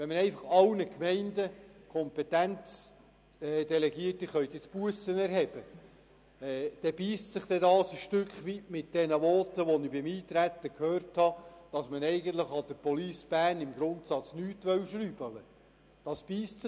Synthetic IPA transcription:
ʋɛnmənɛɪfɑχɑwnəkmɛɪndəkʰɔmpɛt̪ænt͡s | ɛːd̥ɛlɛɡiətːɪχœʏt̪ɪt͡spuəsənɛɾhɛb̥ə | ɛd̥ɛb̥iːstsɪχt̪ɛdɑːsəʃtʏkχʋitmɪt̚d̥ɛnəʋɔːt̪əʋɔnɪbɪmiːt̪ɾæt̪ːəkʰhøːrthɑd̥ɑsmənɛɪɡən̩t̪ləχɑd̥̪əɾpɔliːsb̥æːnɪmɡɾʊnt̪sɑt͡snyːtʋœwʃɾyːbələ | d̥ɑsb̥iːstsɪ

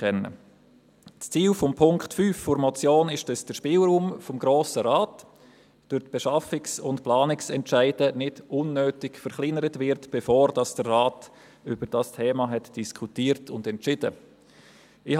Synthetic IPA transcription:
ɛnːə̰ | t͡st͡siːlfɔmpʰʊŋkχtfyːfːʊɾmɔt͡sjoːnɪʃdəsd̥əʃpɪːlɾuːmfɔmɡɾoːsəɾaːt | d̥ʊɾtb̥ɛʃɑfɪksʊntplɑːnɪksɛntʃæɪd̥ənɪdʊnːøːtɪɡfəɾχlɪŋəɾətʋɪɾtb̥ɛfoːɾd̥ɑsd̥ərːaːt | ʏb̥əɾd̥ɑstʰeːmɑɦɛtd̥iskʰutiːəɾtʊndɛntt͡ʃɪd̥ə̰ | ɪh

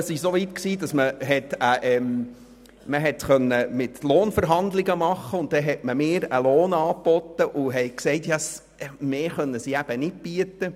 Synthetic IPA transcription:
əsɪʃsoʋitksiːdɑsməɦɛtəʔɛm | məɦɛtχœnːəmɪtloːnfəɾɦɑnd̪lɪɡəmɑχːəʊnt̚d̥ɛɦɛtməmɪːɾəloːnɑːpɔt̪ːəʔʊɦɛɪksɛɪtjɑs | meːχœnːəsiæb̥ənɪt̚b̥iətə

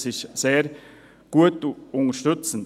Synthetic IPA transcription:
sɪʃseːɾ | ɡ̥uətʊŋəʃtʏt͡sən̩

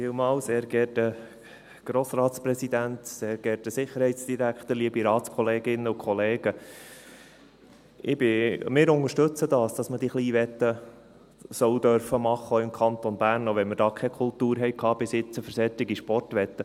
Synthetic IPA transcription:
fɪːlmɑːlseːɾɡɛrtə | ɡ̥ɾoːsrɑːt̪sprɛsid̪ænt̪seːɾɡ̥ɛɾtəsɪχːəɾhɛɪtsd̥iɾækχt̪əɾliəbiɾɑːt̪skʰɔleːɡɪnːəʊkχɔleːɡ̥ə | ɪb̥ɪmɪːɾʊŋəʃtɵt͡sədɑːsd̥ɑsməd̥iːχliːʋɛt̪ːə | sœwd̪œɾfəmɑχːəɪmkʰɑnt̪ɔnbæːɾnɔʋɛnmɪɾd̥ɑːkʰɛkʰʊltuːɾɦɛɪkʰɑːb̥ɪsɪt͡səfəɾsɛt̪ɪɡiʃpɔrtʋɛt̪ːə

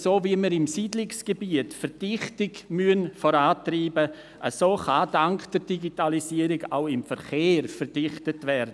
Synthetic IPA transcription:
soːviəməɾɪmsiːdlɪksɡ̥ebiətfəɾd̥ɪχtɪɡmyənfɔɾaːtriːbə | ʔəsoːχadaŋkd̥əɾd̥iɡitalisiːəɾɪɡa̰ʊɪmfɛɾχeːɾfəɾd̥ɪχtətvɛɾdə

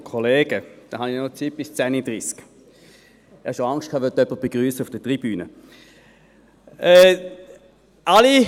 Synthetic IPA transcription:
kʰoleːɡ̥əd̥aɦɑninot͡sib̥ɪst͡sænid̥ʁiːsk | hɑʃoaŋst̚kʰaːʋœtœpːəb̥eɡ̥ʁyːsəufd̥ətʁibyːnə | ɛː | ali

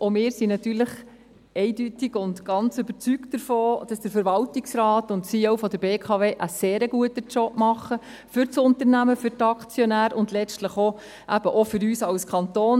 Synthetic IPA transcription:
ʔomɪːɾsinɑt̪yːɾləχ | ɛɪdytɪɡ̥ʊndɡ̥ɑnt͡sʏbət͡syktd̥əɾfoːd̥ɑsd̥əɾfəɾʋɑltɪksrɑːtʊntsiːoʊfɔd̪əɾbeːkʰɑːveːʔəseːɾəɡuətət͡ʃɔpmɑχə | fʏɾt͡sʊntəɾnæməfʏɾtɑkt͡sjɔnæːɾʊndlɛt͡stləχo | ʔæb̥əʔɔfʏɾyːsɑlskʰɑntoːn

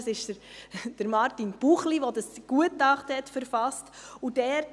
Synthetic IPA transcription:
sɪʃdəɾd̥əɾmɑɾtinb̥uχliʋodɑsɡ̥uətɑχtəhɛtfəɾfɑstudɛːɾ

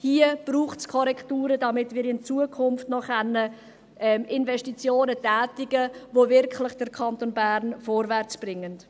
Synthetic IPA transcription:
hiəb̥ruːχtskʰɔɾɛktuːɾədɑmɪtmɪːɾɪnt͡suəkʰʊnftnɔχɛnːə | ʔɛmɪnvɛʃtit͡sjoːnətɛːtɪɡ̥əvovɪɾkχlɪχd̥əɾkʰɑntonbæɾnfoːɾvæɾt͡sb̥ɾɪŋːənt

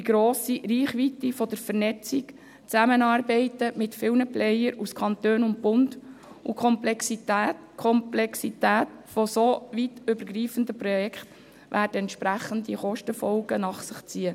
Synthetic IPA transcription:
iɡ̥ɾoːsiɾiːχʋit̪ifɔd̥̪əɾfəɾnɛt͡sik | t͡sæmənɑːɾbɛɪtəmɪtfɪlnəplɛjəɾuskχɑnt̪øːnʊnt̚bʊndṵkʰχɔmplɛksit̪æːtkʰɔmplɛksit̪æːtfosoʋitʏbəɾɡriːfənd̪əprɔjɛkχt̪ | ʋʔæːrdəɛntʃpɾæχənd̪iχɔʃtəfɔlɡənɑχsəχt͡siə

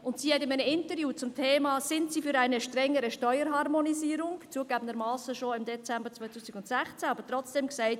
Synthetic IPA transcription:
ʊntsiːhɛtɪmaɪnəɪntəɾjuːt͡sʊmtʰeːmɑːsɪntsiːfyɾaɪnəʃtɾɛŋːəɾəʃtɔʏəɾɦɑɾmoniziːəɾʊŋt͡suəɡ̥æːbənd̪əɾmɑːsəʃoɪmdɛt͡sɛmbəɾt͡svɔʏtʰuːsɪɡʊntsɛχt͡sɛːɑbəɾtrɔt͡sd̥ɛmksaɪt

